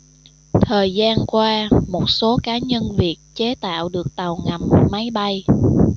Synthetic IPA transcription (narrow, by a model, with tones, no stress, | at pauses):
t̪ʰəː˨˩jzaː˧nkwaː˧mo˨˩t̚so˨˦kaː˨˦ɲə˧nvi˨˩ət̚t͡ɕe˨˦t̪a̰ː˧˨wɗɨ˨˩ək̚t̪a˨˩wŋa˨˩m̚ma˨˦jɓa˧j